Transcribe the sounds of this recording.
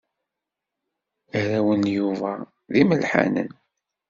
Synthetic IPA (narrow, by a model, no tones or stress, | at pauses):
æɾæwənjuvæ | ðiməlħa̰nə̰n